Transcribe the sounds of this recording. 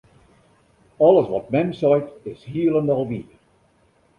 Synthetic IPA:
ɔlˠəsʋɔt̚mɛnsɔjtɪshiəlˠəndɔlˠʋiə

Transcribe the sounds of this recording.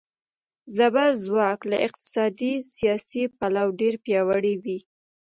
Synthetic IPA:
zabaɾzwɑkla̰ʔɪq̚t̪ɪ̥sɑd̪isijɑsipalawɖeɾpjɑwaɽiwi

